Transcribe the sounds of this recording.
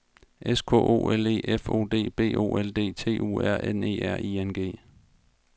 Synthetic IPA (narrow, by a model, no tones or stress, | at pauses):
ʔeskʰo̰ʔo̝̰ːʔele̝̰ːʔefo̝̰ːd̥e̝̰ːb̥e̝̰ːʔo̝̰ːeld̥e̝̰ːt͡sʰe̝̰ːʔṵːæɐ̰ene̝̰ːæɐ̰ienɡ̥e̝̰ː